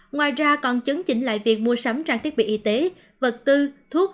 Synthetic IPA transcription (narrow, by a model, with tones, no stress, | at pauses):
ŋwaː˨˩jzaː˧kɔ˧˩nt͡ɕɨ˨˦ŋt͡ɕï˧˩ŋ̟la̰ː˧˨jvi˨˩ək̚mu˧əsa˨˦mt͡ɕaː˧ŋt̪i˦˥k̚ɓḭ˧˨ʔi˨˦t̪e˨˦ | və˨˩t̚t̪ɨ˧t̪ʰu˦˥k̚